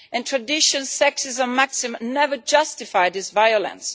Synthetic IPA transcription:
ɨ̃ntʰɹɨdɪʃɨ̃nsɛksɪzəmæksɪmnɛvə˞d͡ʒʌstɪfaɪjdɪsvajʊlə̰̃ns

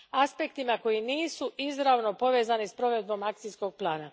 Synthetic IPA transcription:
aspe̞kt̪imako̞jiniːsuizɾaʋno̞po̞ʋe̞ːzanispɾo̞ʋe̞d̪̚bo̞mak̚t̪sijsko̞ɡ̚plˠaːna

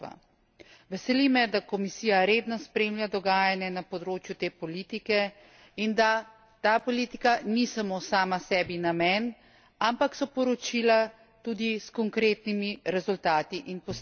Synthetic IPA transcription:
a̰ | ʋɛsɛlimɛd̪akɔmisiːjaɾeːd̪nɔspɾeːmlʲjad̪ɔɡaːjanjɛnapɔd̪ɾoːt͡ʃjut̪eːpɔliːt̪ikɛ | ind̪a | t̪aːpɔliːt̪ikanisamoːsaːmasɛːbinamɛn | ampaksɔpɔɾɔt͡ʃiːla | t̪uːd̪iskɔŋkɾeːt̪nimiɾɛzult̪aːt̪iʔinpɔs

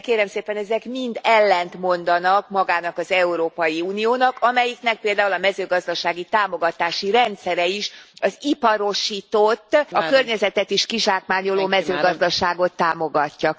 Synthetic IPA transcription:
keːɾɛmseːpɛnɛzɛkmind̪ɛlːɛnt̪mo̞nd̪ɒnɒkmɒɡaːnɒkɒzɛuɾoːpɒjiuːnioːnɒkɒmɛjiknɛk̚peːld̪aːulɒmɛzøːɡɒzd̪ɒʃaːɡit̪aːmo̞ɡɒt̪aːʃiɾɛnt̪sɛɾɛiʃɒzipɒɾo̞ʃiːt̪ot̪ːɒkørɲɛzɛt̪ɛt̪iʃkiʒaːkmaːɲo̞loːmɛzøːɡɒzd̪ɒʃaːɡo̞t̪ːaːmo̞ɡɒcːɒ

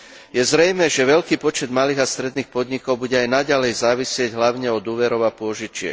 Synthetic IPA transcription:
jɛzɾɛjmɛʒɛʋɛʎkiːpɔt͡ʃɛd̪maliːɣast̪ɾɛd̪niːxpɔd̪ɲikɔʊbuɟɛajnaɟalɛjzaːʋisɪɛɟɦlaʊɲɛɔd̪uːʋɛɾɔʊapʊɔʒit͡ʃɪɛ̰

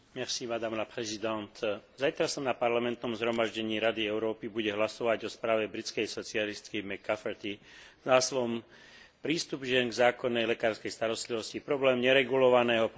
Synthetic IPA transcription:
mɛsimad̪aːmlapɾɛzid̪ant̪zajt̪ɾasɔmnapaɾlamɛnt̪nɔmzɦɾɔmaʒɟɛɲiːɾad̪iɛʊɾɔːpibuɟɛɦlasɔʋaɟɔspɾaːʋɛbɾit͡skɛjsɔt͡sialist̪kimɛkːafɛɾt̪izaːslɔm | pɾiːst̪ubʒɪɛnɡzaːkɔnːɛjlɛkaːɾskɛjst̪aɾɔst̪liʋɔscipɾɔblɛːmɲɛɾɛɡulɔʋanɛːɦɔp

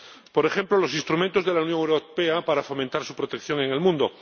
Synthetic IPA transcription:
poɾexe̞mplolo̞s̬inst̪ɾumẽnt̪o̞zðe̞launjoŋewɾopeapaɾafo̞mẽnt̪aɾsupɾot̪e̞kθjo̞ŋe̞ŋe̞lmũnd̪o

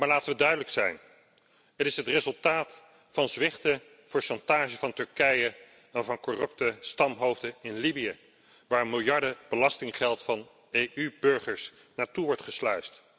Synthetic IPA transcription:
maːɹlaːtəʋədœɥdələksɛjn | ɦətɪsɦətrezɵlˠtaːt | fɑnzʋɪχtə | v̥ʊːɹʃɑntaːʒəvɑntɵɹkɛjə | ɛnvɑnkorɵp̚təstɑmɦowvdəɪnlibijə | ʋaːɹmɪlˠjɑɹdəb̥əlɑstɪŋχɛlˠtfɑn | ejʔybɵɹχəɹs | naːtuʋɔɹtχəslœɥst

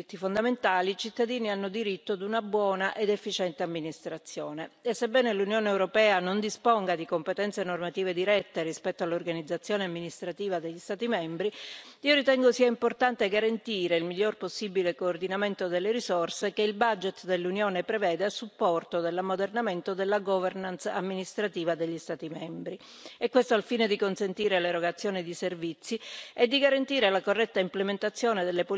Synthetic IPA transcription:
it̪ːifond̪ament̪aːlit͡ʃit̪ːad̪iːnianːod̪iɾit̪ːoad̪unabwɔːnaʔed̪efːit͡ʃɛnt̪eamːinist̪ɾat̪sːjoːneesːebːɛːnelunjoːneːwɾopɛːanond̪ispoŋɡad̪ikompet̪ɛnt̪senormat̪iːved̪iɾɛt̪ːeɾispɛt̪ːoalːorɡanid̪zːat̪sːjoːneamːinist̪ɾat̪iːvad̪eʎːist̪aːt̪imɛmbɾiiːoɾit̪ɛŋɡosiːaimport̪ant̪eɡaɾant̪iːɾeilmiʎːorposːibilekoːrd̪inament̪od̪elːeɾisorsekeilbad͡ʒet̪d̪elːunjoːnepɾevɛːd̪easːupːɔrt̪od̪elːamod̪ernament̪od̪elːaɡɔvernant̪sa̰mːinist̪ɾat̪iːvad̪eʎːist̪aːt̪imɛmbɾi | ɛkːwest̪oalfiːned̪ikonsent̪iːɾeleɾoɡat̪sːjoːnid̪iservit̪sːiɛd̪ːiɡaɾant̪iːɾelakorːɛt̪ːaimplement̪at̪sːjoːned̪elːepo

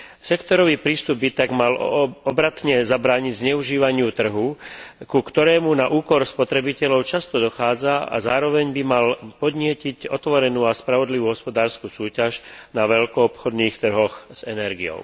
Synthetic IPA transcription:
sɛkt̪ɔɾɔʋiːpɾiːst̪ubbit̪aɡmalɔbɾat̪ɲɛzabɾaːɲiɟzɲɛuʒiːʋaɲɪut̪r̩ɦukukt̪ɔɾɛːmunaʔuːkɔɾspɔt̪ɾɛbicɛʎɔʊt͡ʃast̪ɔd̪ɔxaːd͡zaa̰zaːɾɔʋɛɲbimalpɔd̪ɲɪɛcicɔt̪ʋɔɾɛnuːaspɾaʋɔd̪liʋuːɦɔspɔd̪aːɾskuːsuːcaʃnaʋɛʎkɔːpxɔd̪niːxt̪r̩ɦɔxz̥ɛnɛɾɡijɔ̰ʊ

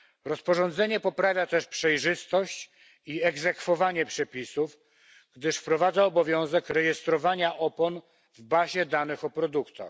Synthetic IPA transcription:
ɾɔspɔʐɔnd̪zɛɲɛpɔpɾavʲjat̪ɛʂpʂɛjʐɘst̪ɔɕt͡ɕ | iɛɡzɛkfɔvaɲɛpʂɛpʲisuf | ɡ̥d̪ɘʂfpɾɔvad̪zaɔbɔvʲjɔ̃w̃zɛkɾɛjɛst̪ɾɔvaɲaʔɔpɔn | vbaʑɛd̪anɘxɔpɾɔd̪ukt̪a̰x

